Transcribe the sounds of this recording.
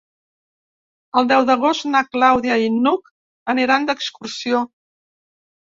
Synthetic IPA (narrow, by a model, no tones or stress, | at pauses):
əlˠd̪ɛwðəɣ̞ost̪naklawðjəinːuk | əniɾand̪əkskursio